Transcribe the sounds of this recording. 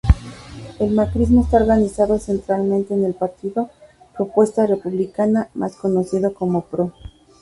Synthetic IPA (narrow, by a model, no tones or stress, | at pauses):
e̞lmakɾizmo̞est̪aoɾɣanisaðo̞se̞nt̪ɾalmẽnt̪e̞ːne̞lpaɾt̪iðo̞ | pɾo̞pwe̞st̪are̞puβlikanamʔa̰sko̞no̞siðoko̞mo̞pɾo̞